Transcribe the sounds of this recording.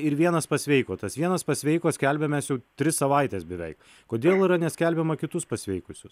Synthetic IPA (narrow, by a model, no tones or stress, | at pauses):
ɪɾʋʲiɛnɐspɐsʲʋʲɛɪkoːt̪ɐsʋʲiɛnɐspɐsʲʋʲɛɪkoːsʲkʲɛlʲbʲɛmʲɛːsjɛʊt̪ʲɾʲɪssɐʋɐɪt̪ʲɛsbʲɛʋʲɛɪk | koːd̪ʲeːlˠɪɾɐnʲɛsʲkʲælʲbʲɛmɐkʲɪt̪ʊspɐsʲʋʲɛɪkʊsʲʊs